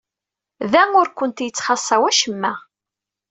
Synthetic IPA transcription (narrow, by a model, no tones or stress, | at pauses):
ðæʊɾkʷənt̪jət͡sːχɑsˤːɑwæʃəmːæ